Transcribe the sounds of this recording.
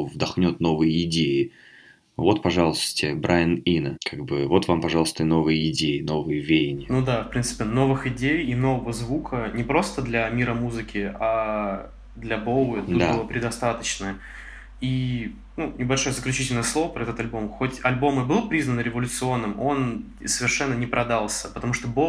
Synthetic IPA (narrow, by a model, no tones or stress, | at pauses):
vd̪ɐxnʲot̪no̞vɨjəɪdʲejɪ | vo̞t̪pɐʐɑlˠəst̪ə̥tʲɪbɾʔajɪninəkʰaɡ̚bɨvo̞t̪vampɐʐɑlˠəst̪əno̞vɨjəɪdʲejɪno̞vɨjəvʲejɪnʲɪnud̪afpɾʲint̪sɨ̥pʲɪno̞vɨxɪdʲejɪno̞vəvəzvukʰənʲɪpɾo̞st̪əd̪lʲɐmʲiɾəmuzɨkʲɪa | d̪lʲɐbolˠt̪ut̪̚abɨlˠəpɾʲɪd̪ɐst̪at̪ət͡ɕnə | i | nunʲɪbɐlʲʂo̞jəzəklʲʉt͡ɕitʲɪlʲnəjəslˠo̞vəpɾəɐɛt̪ət̪ɐlʲbo̞mxo̞tʲɐlʲbo̞mɨbɨlˠpɾʲiznənɾʲɪvəlʲʊt̪sɨo̞nːɨmo̞n | səvʲɪrʂɛnːənʲɪpɾʔɐd̪alˠsʲəpət̪ɐmuʂt̪obo